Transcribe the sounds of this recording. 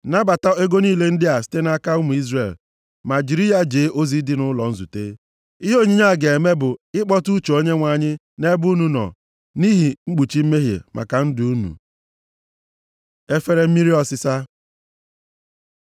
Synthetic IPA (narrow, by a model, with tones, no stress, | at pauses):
na˦ba˨ta˦e˦ɡo˦ni˦le˦n̩˦dɪ˦a˨si̥˦te˦na˦ka˦ʊ˦mu˨i˦zre˨l | ma˨d͡ʒi˨ɾi˦ja˦d͡ʒeː˨˦ʔo˦zi˨˦dɪ˦nʊ˦lɔ˨n̩˦zu˨te˦ | i˦ɦo˦˨ɲi˦ɲa˦˨ɡe˨e˨me˦bʊ˨ɪ˦k͡pɔ˦tu˦t͡ʃo˨o˦ɲe˦ŋʷa˨ɲɪ˦ | ne˦bu˦nu˨nɔ̰˨ | ni˦ɦi˨ŋ͡m̩˦k͡pu˨t͡ʃi˦m̩˦me˦ɦjḛ˨mʔa̰˨ka˨n̩˦dʊ˨u˦nṵ˨ | e˦fe˦ɾe˦m̩˦mi˦ɾi˦ɔ˦sɪ˦sa˦